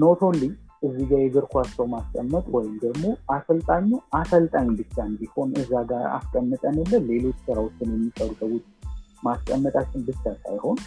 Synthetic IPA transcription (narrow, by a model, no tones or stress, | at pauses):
not̪ʰo̞lːiʔɨzːiɡajɛɡɨɾkʰʷat͡ʃːɛwmaskʼəmːət̪ʼwɔjɪmd̪əɡmo̞asəlt̪ʼaɲːuʔasəlt̪ʼaɲːbɨt͡ʃːand̪iho̞nɨzːaɡaɾa̰skʼəmːɨt̪ʼənəlːənle̞lo̞t͡ʃːsɨɾawot͡ʃːɪnjɛmːisʼəɾt̪ʼəwʊt̪ʼ | maskʼəmːət̪ʼat͡ʃːɪnbɨt͡ʃːasa̰jho̞n